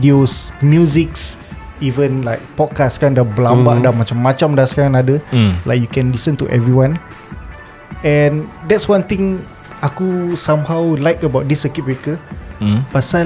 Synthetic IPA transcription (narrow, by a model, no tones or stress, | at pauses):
idiosmjuziks | ivə̃nlajk̚pɔd̚kastkandabəlãmbaʔdamat͡ʃamːat͡ʃãmdasəkaɹãŋadəlajk̚jukɛ̃nlisə̃ntuʔɛ̰vɹiwãn | ɛ̃ndɛtswãnt̪ĩŋ | akusãmhawlajkəbawt̚disəkip̚ɹekə | pasa